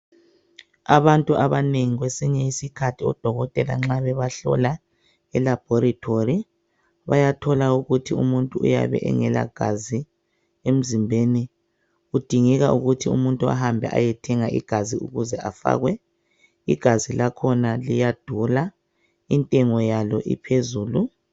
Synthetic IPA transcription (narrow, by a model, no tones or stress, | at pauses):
aβantʼuʔaβaneŋiɣwesiɲɛisikʰatʰiɔ̰d̥ʱɔɣɔtʼɛla̰ŋ͡ǁaβɛβaɬɔ̰la | ɛlab̥ʱɔɾitʰori | βajatʰɔlauɣutʰiṵmuntʼuṵja̰βɛ̰ʔɛ̰ŋɛla̰ɡ̥ʱazi | em̩zimbʱeni | ɣud̥ʱiŋiɣauɣutʰiumuntʼua̰hambʱɛ̰ʔa̰jɛtʰɛŋaʔḭɡ̥ʱaziuɣuzɛʔafa̰ːɣwɛ | ḭɡ̥ʱazilakʰɔnalijad̥ʱula | intʼɛŋɔjalɔʔḭpʰezuːlu